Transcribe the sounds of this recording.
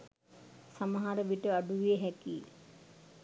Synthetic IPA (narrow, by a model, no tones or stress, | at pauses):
saməɦaɾəʋiʈəaɖuʋijeɦækiː